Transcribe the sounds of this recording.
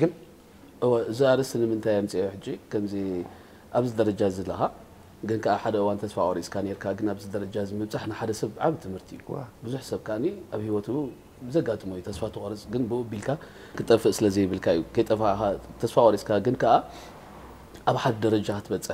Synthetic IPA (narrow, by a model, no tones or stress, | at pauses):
ɡɨn | ʔɨwaʔɨziaɾɐsɨnɨmɨnt̪ʰajamt͡sʼijoħɨd͡ʒːikʰɐmzi | ʔaβzid̪ɐɾɐd͡ʒazɐlːɐxa | ɡɨnkʰɐʔaħad̪ɐʔɨwant̪ʰɐsfaʔʼɐɾiskʰaneɾkʰaɡɨnaβzɨd̪ɐɾɐd͡ʒazɨmɨβt͡sʼaħnɨħad̪ɐsɐβʕaβit̪ʰɨmhɨɾt̪ʰijubɨzuħsɐβkʰaʔniʔaβhiwɔt̪ʰu | bɨzɐɡat̪ʼɨmojːut̪ʰɐsfat̪ʰɨxʼɾɨsʼɡɨnbɨobilkʰa | kʰɨt̪ʼɐfɨʔsɨlɐzijɪβɨlkʰaɨjːukʰɐjt̪ʼɐfxat̪ʰɐsfaʔʷʼɐɾiskʰaɡɨnkʰɐʔa | ʔaβħad̪d̪ɐɾɐd͡ʒat̪ʰɨβɐt͡sʼːɨħ